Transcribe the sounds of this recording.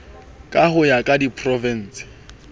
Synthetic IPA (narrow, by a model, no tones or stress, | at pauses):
kʼahʊjakʼadipʰʼrɔvɛn̩ːsɪ̥